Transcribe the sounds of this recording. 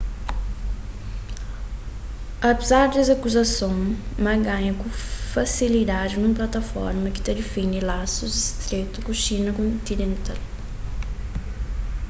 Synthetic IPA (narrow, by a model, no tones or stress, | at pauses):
ɐpezaɾd̪ɛzɐkuzɐsõw̃mɐɡãɲɐkũfasilid̪ad͡ʒɪnũmplat̪ɐfɔ̰ɾmɐkɪ̥t̪ɐd̪ɪfĩnilasuzist̪ɾet̪ukuʃinɐkõnt̪inẽnt̪al